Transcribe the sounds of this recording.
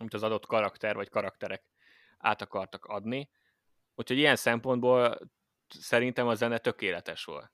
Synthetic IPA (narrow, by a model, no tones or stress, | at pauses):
ɒmit̪ɒzɒd̪o̞t̪kɒɾɒkt̪ɛrvɒckɒɾɒk̚t̪ɛɾɛk | a̰ːt̪ɒkɒrt̪ɒkɒd̪ni | uchoɟijɛnsɛmpo̞nd̪boːl | sɛɾint̪ɛmɒzɛnɛt̪ø̞keːlɛt̪ɛʃʋo̞̰lt̪